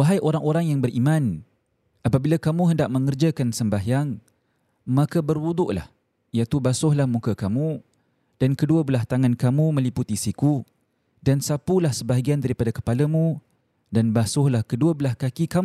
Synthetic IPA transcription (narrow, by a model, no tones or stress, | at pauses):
waɦajʔoɾaŋoɾaŋjaŋbərʔimãn | ʔapabilakamuɦəndaʔməŋərd͡ʒakansəmbaɦjaŋ | makabərwud̪ʊʔla̰h | ijat̪ubasʊhlahmukəkamu | d̥ankəduəbəlaht̪aŋankamumə̃liput̪isiku | dansapulahsəbaɦaɡiandaɾipadakə̥palamũ | danbasʊhlahkəduəbəlahkakikam